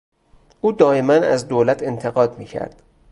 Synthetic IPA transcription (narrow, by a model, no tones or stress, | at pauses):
ʔuːd̪ɒːemænæzd̪oːlæt̪ʰe̞nt̪ʰe̞ɣɒːd̪miːcʰæ̰ɾd̪̥